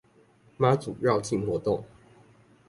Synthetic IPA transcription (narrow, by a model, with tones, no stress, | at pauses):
ma˨˥t͡sṵ˨˩ɻɑ˥˧ʊt͡ɕi˥˨nxwɔ˨˥t̪o˥˨ŋ